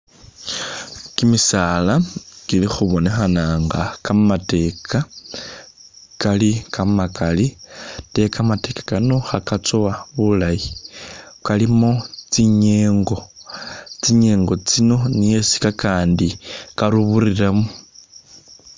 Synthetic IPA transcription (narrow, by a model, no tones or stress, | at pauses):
kimisalakilixuβo̞ne̞xanaːŋɡa̰kamate̞kʰa | kalikamakalite̞kamate̞kḁkano̞xakat͡sowaβulaji | kalimot͡siɲeːŋɡo̞ | t͡siɲe̞ːŋɡo̞t͡sino̞nije̞si̥kakaːndikaɾuβuriɾamu